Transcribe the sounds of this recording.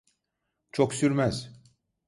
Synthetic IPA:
t͡ʃʰoksyɾmæz̥

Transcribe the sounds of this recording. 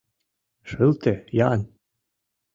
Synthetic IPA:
ʃɤlt̪ejɑn

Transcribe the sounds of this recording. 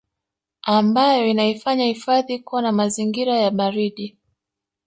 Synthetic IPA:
ambajɔinaifaɲahifaðikuwanamaziŋɡiɾajaɓaɾiɗi

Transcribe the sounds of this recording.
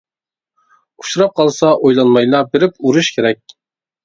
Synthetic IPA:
u̥ʃuɾɑp̚qʰɑlˠsɑʔojlˠɑnmɑjlˠɑbeɾɪpuɾuʃkʲʰeɾɛk̚ʲ

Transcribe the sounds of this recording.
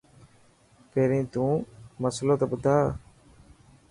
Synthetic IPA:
peɾĩt̪ũːmɐslot̪obʊd̪aː

